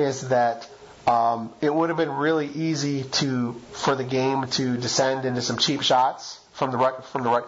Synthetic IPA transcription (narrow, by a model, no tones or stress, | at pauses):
ɪzðɨɾ | ɪt̚wʊɾɨvbɨ̃nɹɪlˠiʔiziɾɨfə˞ðɨɡẽɪ̃mtʰɨdɨsɛ̃ndɪ̃ntʉsʌ̃mt͡ʃʰipʃɑts | fɹʌ̃mðəɹɛkfɹʌ̃mðəɹaɪ